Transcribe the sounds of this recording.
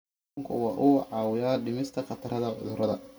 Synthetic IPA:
ŋkʰʊ̰wɑːʔʊʕɑːwɪjaːɖɪmɪst̪ʰɐqɑt̪ʰɐɾɐðɐʕʊ̰ðʊɾʔɐðɐ

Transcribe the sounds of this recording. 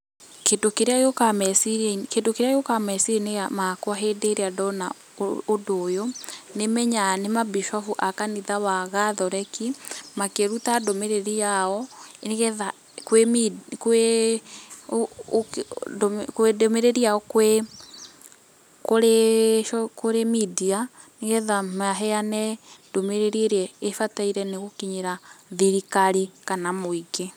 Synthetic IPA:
kedokeɾeaokamɛsiɾekedokeɾeajokamɛsiɾeneɣamakoaɦedeɾeadɔnaː | doːjonemɛɲanemabiʃɔfuʔakaniðawaɣaðɔɾɛkimakeɾutadomeɾeɾiaɔɣɛða | kwemikwe | kedmeɾeɾiaɔkwe | koɾeʃɔkoɾemidia | neɣɛðamaɦɛjanɛdomeɾeɾieɾɛːfataiɾɛneɣokiɲeɾaðiɾikaɾikanamoike

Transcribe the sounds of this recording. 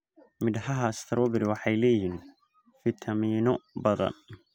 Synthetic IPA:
mɪdhɐɦɐst̪ʰɐɾɔːbɪɾwɑħɑjlɛːjiːn | fɪt̪ʰɐmiːnɔbɐðɐ̰n

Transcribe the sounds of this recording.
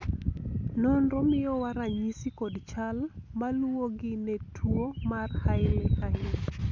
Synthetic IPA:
nɔnɾɔmɪjɔwaɾaɲisikɔdt͡ʃalmaluoɡɪnɛtʰwomarhaɪɾekaɦɪn

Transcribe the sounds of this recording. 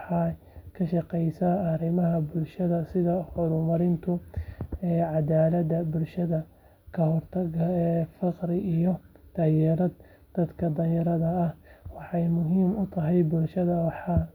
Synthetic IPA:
ħɑ | kʰɐʃɑqɛjsɐɐɾɪmɐɦɐbʊlʃɐðɐsɪðɐħɔɾʊmɐɾɪnt̪ʰʊ | ɛːʕɑd̪aːlɐd̪ɐbʊlʃɐðɐ | kʰɐhɔrt̪ʰɐɣɐɛːfɑqɾɪijɔd̪̥ɐjɛɾɐd̪ | d̪̥ɐd̪kʰɐd̪ɐjɐɾɐðɐɐhwɑħɑjmʊɦiːmʊt̪ʰɐɦɛjbʊlʃɐðɐwɑħɑː

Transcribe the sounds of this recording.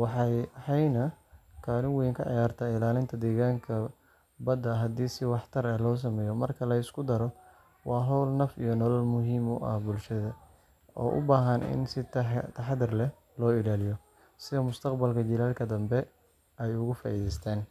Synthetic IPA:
wɑħɑjħɑjnɐkʰaːlɪŋwɛŋkʰɐʕɑ̰jaːrt̪ʰaːɪlaːlɪnt̪ʰɐd̪ɛːɣaːŋkʰɐ | bɐd̪ɐɦɐd̪iːsɪwɑħt̪ʰɐɾɐlɔːs̬ɐmɛːjɔmɐrkʰɐlɐɪskʰʊd̪ɐɾɔ | wɑːɦɔwlnɐfḭjɔnɔlɐlmʊɦiːmʊ̰ʔɐ̰hbʊlʃɐðɐ | ʔɔ̰ːʔʊ̰baːɦɐnɪ̰nsɪt̪ʰɐħd̪ɪrlɛ | lɔːɪlaːlɪjɔ | sɪðɔmʊst̪ʰɐqbɐlkʰɐt͡ʃɪlaːlkʰɐd̪ɐmbɛ | ɛjʊɣʊfa̰ːʔiːðɛjst̪ʰaːn

